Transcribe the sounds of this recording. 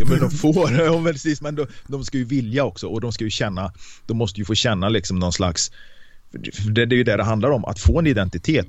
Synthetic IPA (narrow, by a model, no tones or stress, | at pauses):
fəd̪ɔmfoːɾɔvɛlʰsɪsmɛnd̪ɔd̪ɔmskajɵvɪljaɔksɔɔd̪ɔmskajɵɕɛnːad̪̥ɔmːɔst̪əjɵfoːɕɛnːalɪksɔmnɔnslaks | fœɖɛd̪ɛjɵd̪ɛɖɛɦand̪aɾɔmʔa̰t̪foːɛnɪd̪ɛnt̪ɪt̪ʰeːt̪